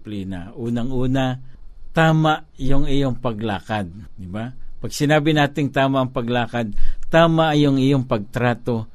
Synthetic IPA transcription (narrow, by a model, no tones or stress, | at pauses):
pliːna̰ʔuːnaŋʔuːnat̪aːmaʔ | jʊŋɪjoŋpɐɡlaːkad̪̚ | d̪ɪbapɐɡsɪnaːbɪnaːt̪ɪŋt̪aːmaʔːŋpɐɡlaːkad̪̚t̪aːmaʔjʊŋɪjoŋpɐɡ̚t̪ɾaːt̪o̞